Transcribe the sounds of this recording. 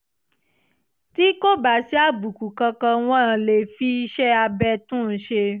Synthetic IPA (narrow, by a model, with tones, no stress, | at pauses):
ti˦ko˦ba˨si˨˦a˦˨bu˨ku˨kã˧kã˧w̃ɔ̃˦˧le˨fi˧˦i˦ʃɛ˦a˧bɛ˧tũ˦˨ʃe˧